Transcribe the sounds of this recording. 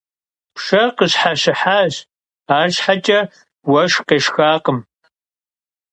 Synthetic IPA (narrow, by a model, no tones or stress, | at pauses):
pʂɐqəɕħaɕɪħaːɕ | aːʒħat͡ʃʼɐ | wɐʂqeːʂxaːqəm